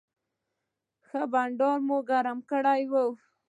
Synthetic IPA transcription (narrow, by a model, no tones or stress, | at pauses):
xəbaɳɖoɾmoɡaɾamkəɽajwəw